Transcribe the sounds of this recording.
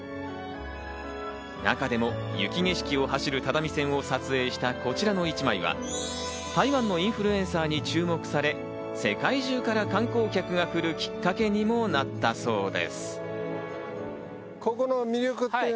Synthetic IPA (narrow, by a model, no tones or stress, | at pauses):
na̰kad̪e̞mo̞jɯ̰kʲiŋe̞ɕi̥kʲio̞haɕiɾɯ̟t̪ad̪amʲisẽ̞ɰ̃o̞sat͡sɨe̞ːɕi̥t̪ako̞t͡ɕiɾano̞it͡ɕimaiβa̰ | t̪aiβãnːo̞ĩɰ̃ɸɯ̟ɾɯ̟ẽ̞ɰ̃saːɲ̟it͡ɕɨːmo̞kɯ̟̥saɾe̞ | se̞kaiʑɨːkaɾakãŋko̞ːkʲakɯ̟ɡakɯ̟ɾɯ̟kʲi̥kːake̞ɲ̟imo̞nat̪ːaso̞ːd̪e̞̰sɨ̥ | kokonomʲiɾʲokɯ̟